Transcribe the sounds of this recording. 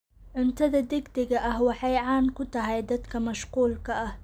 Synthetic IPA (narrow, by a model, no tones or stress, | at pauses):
ʕʊnt̪ʰɐðɐd̪ɛɡd̪ɪɣɐʔɐhwɑħɑjʕɑːnkʰʊt̪ʰɐɦɛjd̪ɐd̪kʰɐmɐʃquːlkʰɐʔɐh